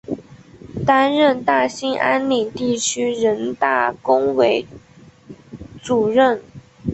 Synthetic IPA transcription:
t̪a˥nɻə˥˧nt̪a˥˩ɕi˥ŋʔa˥nli˨˩t̪i˥˩t͡ɕʰy˥ɻə˧˥nt̪a˥˩kʊ˥ŋwe˧˥ɪ | ʈ͡ʂu˨˩ɻə˥˩n

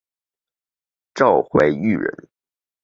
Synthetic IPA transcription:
ʈ͡ʂɑ˥˧ʊxwe˥˩ɪy˥˩ɻə̰˧˥n

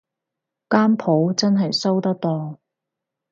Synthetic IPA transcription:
kaː˥mpʰo˨˥wt͡sɐ˥nɦɐ˨jsɐ˥wt̪ɐ˥k̚t̪ɔː˧

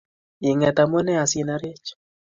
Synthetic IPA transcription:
i˨ŋɛ˨t̪a˨mɔ˦nɛ˦a˨si˦na˦ɾe˦t͡ʃ

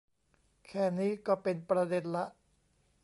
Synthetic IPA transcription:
kʰɛː˥˩niː˦˥kɔː˥˩pe˧npɾa˧de˧nla˦˥ʔ

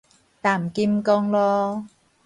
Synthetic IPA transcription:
t̪aː˨˩m̩˨˩ki˧˥m˧kɔː˥ŋlɔː˦˥

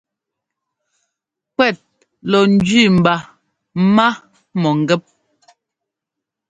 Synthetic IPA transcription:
kwɛ˦˨t̚ | lɔ˨n̩˨˦d͡ʒɥi˦˨m̩˨ba˨˦ | ma˦ | mɔ˨ŋ̩˨ɡɛ˦p̚

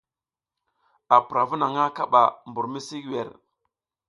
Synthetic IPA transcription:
a˨pɾa˨vu˦na˨ŋa˦ka˦ɓa̰˨mbu˨ɾmi˦si˦ɡwɛ˨ɾ

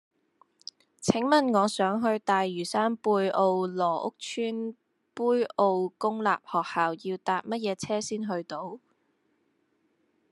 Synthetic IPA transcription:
t͡sʰɪ˨˥ŋmɐ˨nŋɔː˨˧sœː˨˥ŋɦɵ˧ɥt̪aː˨jːyː˨˩saː˥npuː˧jo˧wlɔː˨˩ʔʊ̰˥k̚t͡ʃʰyː˥n | puː˥jo˧wkʊ˥ŋla̰ː˨p̚hɔː˨˩k̚haː˨wjiː˧wt̪aː˨p̚mɐ˥t̚jɛː˨˧t͡sʰɛː˥siː˥nɦɵ˧ɥt̪o˨˥w

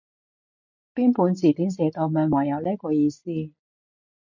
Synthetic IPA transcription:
piː˥npuː˨˧nt͡siː˨˩t̪iː˨˥nsɛː˨˧t̪o˧wmœː˨˧ŋwɔː˨˩jɐ˨˧wleː˥kɔː˧jiː˧siː˥

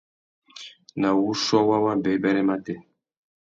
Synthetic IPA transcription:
na˨wu˦ʃɔ˦wa˦wa˦bɛ˨˦bɛ˦ɾɛ˦ma˦tɛ˦˨

